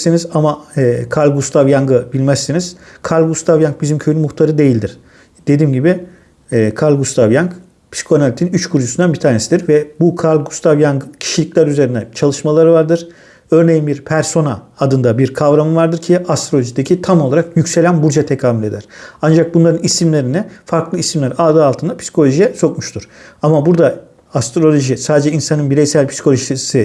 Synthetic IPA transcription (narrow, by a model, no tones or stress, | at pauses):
sinizamaɛːkʰaɾlʲɡust̪ʰavjaŋɡɯbilʲmæsːiniz̥kʰaɾlʲˠɡust̪ʰavjaŋk̚bizimcʰøjynymuxt̪ʰaɾɯd̪e̞jilʲd̪iɾ̥ | d̪̥e̞d̪iːmɟibiː | kʰaɾlʲˠɡust̪ʰavjaŋk | pʰi̥skʰo̞nalʲit̪ʰinyt͡ʃkʰuɾd͡ʒusund̪anbit̪ʰaːɾnesid̪iɾvɛbukʰaɾlʲɡust̪ʰavjaŋɡɯcʰi̥ʃilʲiclʲæɾyze̞ɾind̪ɛt͡ʃʰalˠɯʃmalˠaɾɯvaɾd̪ɯɾ̥ | øɾne̞jinbiɾpʰæɾso̞naːd̪ɯnd̪abiɾkʰavɾamɯvaɾd̪ɯɾcʰiast̪ɾo̞lʲoʒid̪ecʰit̪ʰamo̞lˠaɾakjycse̞lʲænbuɾd͡ʒat̪ʰekʰaːmylʲe̞d̪æ̰ɾ̥and͡ʒak̚bunlˠaɾɯnisimlʲe̞ɾinifaɾklˠɯisimlʲæɾaːd̪aalˠt̪ʰɯnd̪apʰsi̥kʰo̞lʲo̞ʒijɛso̞kmuʃt̪ʰuɾ̥amabuɾd̪a | ast̪ɾo̞lʲo̞ʒisaːd̪ed͡ʒɛinsanɯnbiɾejsælʲpʰisi̥kʰo̞lʲoʒissɯ